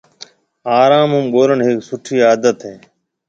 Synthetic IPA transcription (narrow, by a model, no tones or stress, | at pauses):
aːɾaːmʊmɠoːɾəɳɦɪksʊʈʰiːaːd̪ət̪ɦeː